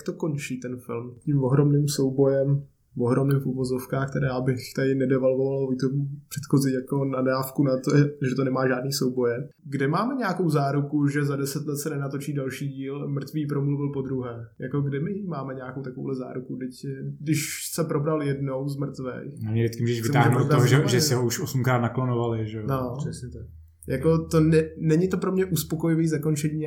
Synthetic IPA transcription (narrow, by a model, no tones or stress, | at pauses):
k̚t̪o̞ko̞nt͡ʃiːt̪ɛnfɪlmcɪmvoɦɾo̞mnɪːmso̞wbo̞jɛm | voɦɾomnɪmfuvo̞zofkaːxkt̪ɛɾjaːbɪxt̪adɪnɛdɛvalvovaalvoit̪opr̥ɛt̪xo̞zijako̞nadaːfkunat̪oʒɛt̪onɛmaːʒaːdniːso̞wbo̞jɛ | ɡdɛmaːmɛɲaakowzaːɾukuʒɛzadɛsɛt̪lɛt̪sɛnɛnat̪o̞t͡ʃiːdalʃiːɟiːlmr̩t̪viːp̬ɾo̞mluvɪlpo̞d̪ɾuɦɛːjako̞ɡdɪmɪjmaːmɛɲaːkowt̪akoo̰ːɦlɛza̰ːɾukudɪcdɪʃsɛpɾo̞bɾaljɛdno̞wzmr̩t̪vɛ̰namɲɛdɪtt͡skɪmuːʒɛʃvɪsɛmtauaːɦʒɛnotɾoɦʒɛʒɛsɪɦouʃosum̩kɾaːt̪naklonovalɪʒɛonoɛsɲɛt̪ak | jakot̪o̞nɛnɛɲɪt̪opɾomɲɛʔuspoko̞jɪviːzako̞nt͡ʃɛɲiː